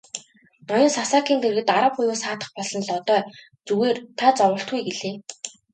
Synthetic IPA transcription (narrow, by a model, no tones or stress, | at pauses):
nɔjʊ̆nsasaːkiːnt̪ʰerɣɘ̆t̪aɾə̆p̚χʊjuːsaːt̪ə̥̆χpɔɮɞ̆nɮɔt̪œː | t͡suɣeːrt̪ʰat͡sɔʁə̆ɬt̪ɡujɡeɮeː